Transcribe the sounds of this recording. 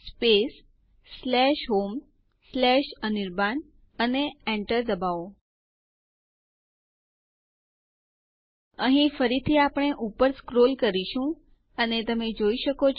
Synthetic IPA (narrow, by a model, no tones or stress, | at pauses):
spesː | lɛʃɦom | slɛʃəniɾban | əneɛ̃ɳʈəɾd̪əbao | əɦĩfəɾit̪ʰiapɳ̃eʔupəɾskɾolkəɾiʃũ | ənet̪əmed͡ʒoiʃəkot͡ʃʰ